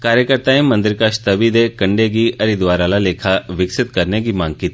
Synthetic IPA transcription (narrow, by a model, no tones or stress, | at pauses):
kaːɾjəkəɾt̪aẽmɐ̃nd̪ɪɾkaːʃt̪ɐbid̪ekɐ̃ɳɖeɡiʔɐɾid̪ʋaːɾalaleːkʰaʋɪksɪt̪kɐɾnekimãːŋɡ̚kiːt̪